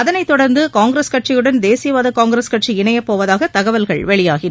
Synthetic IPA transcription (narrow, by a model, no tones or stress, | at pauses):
ɐðɐnɐɪt̪ːɔɽɐɾnd̪ɯkaːŋɡɾeːskɐʈ̚t͡ʃɪjɯɽɐnd̪eːsɪjɐʋaːðɐkaːŋɡɾeskɐʈʂiɪɳɐjɐpːoːʋɐðaːɣɐt̪ɐɣɐʋɐlɣɐɭʋɛɭɪjaːɣɪ